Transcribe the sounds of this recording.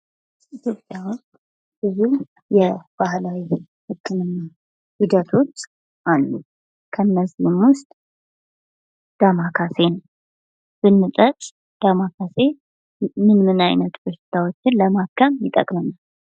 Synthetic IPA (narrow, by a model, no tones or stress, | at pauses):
it̪ʰjo̞pʼjaws | bɨzu | jɛb̥ahlawi | hɨkʰːɨmɨnːa | hid̪ət̪ʰo̞t͡ʃː | ʔalːu | kʰənːəzimwʊst̪ʼ | d̪̥amakʰase̞nəw | b̥ɨnːɨt̪ʼət͡ʃʼ | d̪̥amakʰase̞ | mɨnmɨnajnət̪bɨɾʃɨ̥t̪ʰawo̞t͡ʃːɪnləmakʰːəmjɪt̪ʼə̰kʼmənal